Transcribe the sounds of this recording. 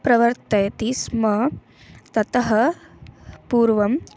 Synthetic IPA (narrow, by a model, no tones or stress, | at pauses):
pɾɐʋɐɾt̪ɐjɐt̪ismɐ | t̪ɐt̪ɐɦɐ | puːɾʋɐm